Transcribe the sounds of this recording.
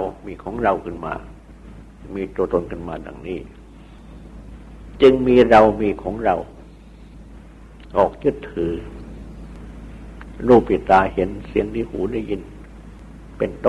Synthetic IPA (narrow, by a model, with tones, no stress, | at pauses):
wmiː˧kʰɔː˩˦ŋɾa˧wkʰɯ˥˩nma̰ː˧ | miː˧t̪u˧ət̪o˧nkʰɯ˥˩nmaː˧da̰˨˩ŋniː˥˩ | t͡ɕɯ˧ŋmiː˧ɾa˧wmiː˧kʰɔː˩˦ŋɾa˧w | ʔɔː˨˩k̚t͡ɕɯ˥˩t̪ʰːɯː˩˦ | ɾuː˥˩pʰːi˨˩t̪ːaː˧he˩˦nsi˨˩˦əŋt̪ʰiː˧˩hṵː˩˦daː˥˩ji˧n | pe˧nt̪o˥˨